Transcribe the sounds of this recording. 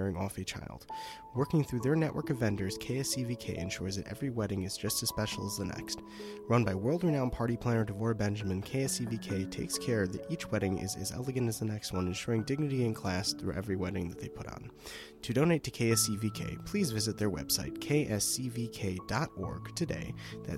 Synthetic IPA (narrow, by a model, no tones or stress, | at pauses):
ɛɹɪ̃ŋɔfit͡ʃʰa̰ɪlˠd̥̚ | wɜ˞kɪ̃ŋθɹʉðə˞nɛʔwə̰˞kʌvːɛ̃ndə˞z̥kʰeɪɛsivikʰeɪʔɨ̰̃nʃʊɹzðɨɾɛ̰vɹiwɛɾɪ̃ŋɨzd͡ʒʌstɨz̥spɛʃl̩ˠəzðənɛ̰kst | ɹʌ̃nbaɪwɜ˞lˠd̚ɹɨnãʊ̃npʰɑɹɾipʰl̥æ̃nə˞ɾɨvɔɹbɛ̃nd͡ʒɨmɨ̃nkʰeɪɛsivikʰeɪtʰeɪkskʰɛɹðɨ̰ɾit͡ʃwɛɾɪ̃ŋɪ̰zɨ̰zɛ̰lˠəɡɨ̃ntɨzðənɛkst̚wʌ̃nɨ̃nʃʊɹɪ̃ŋdɪɡ̚nɨɾiɨ̃nkʰl̥æsθɹʉ̰ʔɛ̰vɹiwɛɾɪ̃ŋðɨt̪̚ðeɪpʰʊɾn̩ | tʰɨdõʊ̃ñeɪtʰɨkʰeɪɛsivikʰḛɪpʰl̥izvɪzɨt̪̚ðə˞wɛ̰b̥saɪt̚kʰeɪʔɛsivikʰeɪdɑɾɔ̰ɹɡ̥tʰɨdḛɪðɨ̰